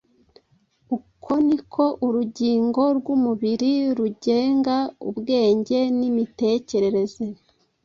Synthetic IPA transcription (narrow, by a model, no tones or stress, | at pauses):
ukʰo̞nikʰo̞ʔuɾuɟiːŋɡo̞ɾɡumuβiɾiɾuɟeːŋɡaṵbɡe̞ːɲɟe̞nimite̞ce̞ɾe̞ɾe̞ze